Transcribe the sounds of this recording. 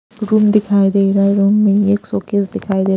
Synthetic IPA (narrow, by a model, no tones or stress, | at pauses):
ɾuːmd̪ɪkʰaːid̪eːɾaɾuːmːẽeːksoːkesd̪ɪkʰaːid̪eː